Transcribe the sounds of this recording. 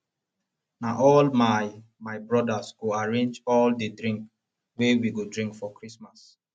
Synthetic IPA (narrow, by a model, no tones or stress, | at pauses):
naʔɔlmamaɪbɹɔdasɡoaɹẽnd͡ʒɔldedɾĩŋk | wewiɡodɹĩŋkfɔkɹismas